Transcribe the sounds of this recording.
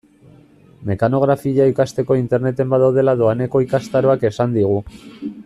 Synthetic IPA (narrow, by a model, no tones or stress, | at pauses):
me̞kano̞ɣ̞ɾafiʝaikast̪e̞ko̞int̪e̞ɾne̞t̪e̞mbaðawð̞e̞lað̞oane̞ko̞ikast̪aɾo̞ake̞sand̪iɣ̞u